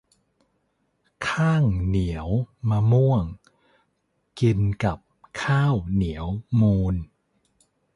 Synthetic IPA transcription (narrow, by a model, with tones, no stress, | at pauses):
kʰaː˥˩ŋni˩˦əwmaː˧mu˥˩əŋ | ki˧nka˨˩p̚kʰaː˥˩wni˩˦əwmuː˧n